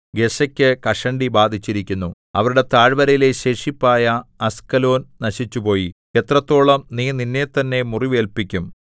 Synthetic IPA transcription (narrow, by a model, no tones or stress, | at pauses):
ɡe̞sɐkʲːɨkɐʂɐɳɖibaːd̪ʱit͡ɕːiɾikʲːunːu | ɐ̰ʋɐɾuɽe̞t̪aːɻbɐɾɐjile̞ɕe̞ːʂipːaːjɐɐskɐlo̞ːnnɐɕit͡ɕːupo̞ːji | e̞t̪rɐt̪ːo̞ːɭɐmniːninːe̞t̪ɐnːe̞muriʋe̞ːlpikʲːum